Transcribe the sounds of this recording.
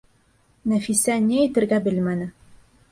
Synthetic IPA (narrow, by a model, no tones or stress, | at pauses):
næfisænʲeæjt̪ɘ̆ɾɡæbɘlmænɘ